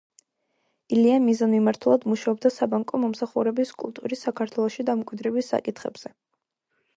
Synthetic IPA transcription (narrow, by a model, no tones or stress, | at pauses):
iliamizanmimaɾt̪ʰulˠad̪muʃaɔb̚d̪asabaŋkʼɔmɔmsaχuɾɛbiskʼṵlˠt̪ʼuɾisːakʰaɾt̪ʰwɛlˠɔʃid̪amkʼwid̪ɾɛbisːa̰kʼit̪ʰχɛ̰bz̥ɛ